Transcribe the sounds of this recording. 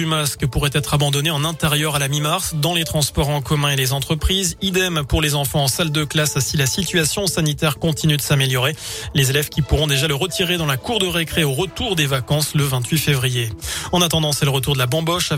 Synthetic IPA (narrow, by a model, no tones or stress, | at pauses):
ymaskpuʁɛt̪ɛt̪χabɑ̃d̪ɔneɑ̃nɛ̃t̪ɛʁjœʁalamimaʁsd̪ɑ̃let̪χɑ̃spɔʁɑ̃kɔmɛ̃elezɑ̃t̪χəpχizid̪ɛmpuʁlezɑ̃fɑ̃ːsald̪əklasasilasit̪ɥasjɔ̃sanit̪ɛʁkɔ̃t̪inyd̪əsameljɔʁelezelɛvkʲipuʁɔ̃d̪eʒaləʁət̪iʁed̪ɑ̃lakuʁd̪əʁekχeoʁət̪uʁd̪evakɑ̃sləvɛ̃t̪ɥifevʁijeɑ̃nat̪ɑ̃d̪ɑ̃sɛləʁət̪uʁd̪əlabɑ̃bɔʃa